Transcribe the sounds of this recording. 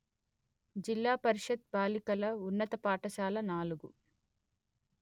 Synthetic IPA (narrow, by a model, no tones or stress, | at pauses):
d͡ʒilːaːpɐɾiʂɐd̪̚baːlikɐlɐunːɐt̪ɐpaːʈɐʃaːlɐnaːluɡu